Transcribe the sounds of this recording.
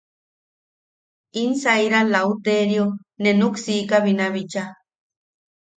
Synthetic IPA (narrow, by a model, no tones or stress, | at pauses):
insajɾalaut̪eɾjo | nenuksikaβinaβit͡ʃa